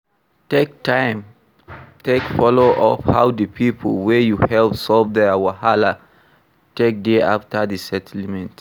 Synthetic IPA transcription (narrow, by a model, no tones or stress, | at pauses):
tek̚tãɪ̃m | tʰekfɔloʔɔ̰fhawdəpʰipʰəlwɛjuhɛlpsɔlvdɛwahala | tek̚deaftədisɛtʰl̩mɛ̃nt